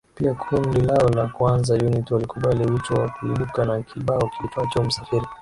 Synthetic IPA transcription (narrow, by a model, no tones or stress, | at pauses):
piakʰundilaɔlakuanzajunitialikuɓaliwit͡ʃɔwakuilukanakʰiɓaɔkitɔat͡ʃɔm̩safiɾi